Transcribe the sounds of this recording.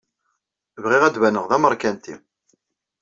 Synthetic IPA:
vʁiʁæd̪vænəʁðæməɾˤkænt̪i

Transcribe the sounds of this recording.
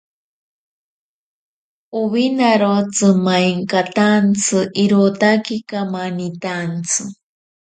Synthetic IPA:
uβinaɾot͡sɨmajŋkat̪ant͡sʰɨʔiɾut̪akikamanit̪ant͡sʰɨ

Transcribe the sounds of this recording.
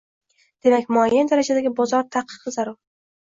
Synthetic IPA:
d̪̥e̞makʲmʊajːand̪aɾad͡ʒad̪aɡʲɪbɒzɒɾt̪ʰaqʰːɨ̥qɨzaɾʊɾ

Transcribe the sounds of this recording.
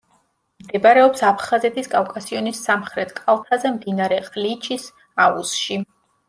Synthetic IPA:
md̪ɛbaɾɛɔpsapʰχazɛt̪ʰiskʼafkʼasiɔnisːamχɾɛt̪ʰkʼalˠt̪ʰazɛmd̪inaɾɛqʼlit͡ʃʰis | aṵsʃi

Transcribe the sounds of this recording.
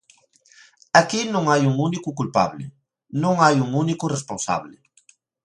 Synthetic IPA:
akinõŋajuŋunikʊkulpa̰βlɪ̰ | nõŋajuŋunikʊresponsa̰βlɪ

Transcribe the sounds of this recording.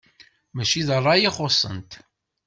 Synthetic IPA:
mæt͡ʃiðərˤːɑjiχosˤə̰nt̪

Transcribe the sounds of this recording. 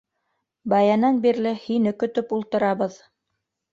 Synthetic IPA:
bɑjɑnɑnbiɾlɘhinɘkɵ̆t̪ɵpulˠt̪ɤ̆ɾɑβɤð

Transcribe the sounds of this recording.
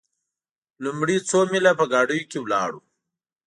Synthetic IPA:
lumɽit͡somilapəɡaːɖujokewlɑːɽu

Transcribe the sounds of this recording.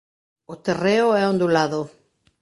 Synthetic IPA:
ot̪ereoɛõnd̪olaðo

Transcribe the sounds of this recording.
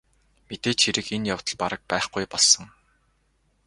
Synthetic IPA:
met̪eːt͡ɕxiɾɘ̆kenjaw̥t̪ə̆ɮpaɾə̆k̚pæːχɡujpɔɮsə̆ŋ

